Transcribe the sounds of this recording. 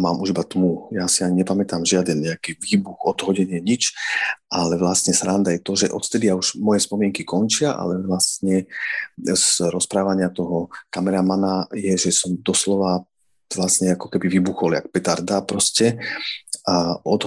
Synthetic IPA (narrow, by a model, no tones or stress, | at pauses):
ma̰ːmuʒibat̪muːjasiaɲiɲɛpamɛt̪aːmʒɪad̪ɛnɲɛakiːʋiːbuxɔd̪ɦɔɟɛɲɪɛɲit͡ʃʔalɛʋlasɲɛsɾand̪ajɛt̪ɔʒɛʔɔt̪ft̪ɛd̪iauʒmɔjɛspɔmɪɛŋkikɔnt͡ʃɪaʔa̰lɛʋlast̪ɲɛ | zɾɔspɾaːʋaɲɪat̪ɔɦɔkamɛɾamanajɛʒɛsɔmd̪ɔslɔʋa | ʋlasɲɛakɔkɛbiʋiːbuxɔlɪa̰k̚pɛt̪aɾd̪apɾɔscɛ | aɔd̪